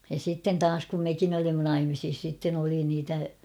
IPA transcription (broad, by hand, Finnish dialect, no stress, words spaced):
jɑ sitːen tɑːs kum mekin olimːɑ nɑimisis sitːen oli niːtæ